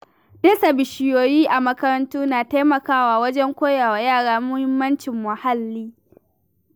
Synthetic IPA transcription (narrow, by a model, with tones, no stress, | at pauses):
deː˦sa˨bɪ˨ʃɪ˨joː˨jiː˦ʔa˨mɐ˦kɐ˦ɾɐ˦ntuː˦naː˨ta˦mɐ˨kaː˦waː˨wɐ˦d͡ʒɛ˦ŋkʷoː˦jaː˨wa˨jaː˦˨ɽaː˦mʊ˦hɪ˦mːɐ˦nt͡ʃɪ˨mːɐ˨ha˦lːiː˦